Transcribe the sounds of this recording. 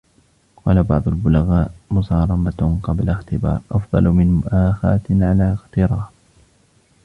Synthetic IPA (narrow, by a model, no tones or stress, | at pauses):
qɑːlabɑʕd̪ˤʊlbʊlaɣaːʔmʊsɑːɾˤɑmaqɑblaxt̪ɪbɑ̰ːɾˤʔɑfd̪ˤɑ̰lmɪnmʊʔaːxa̰ːt̪ʕalaːɪxt̪ɪɾˤɑːf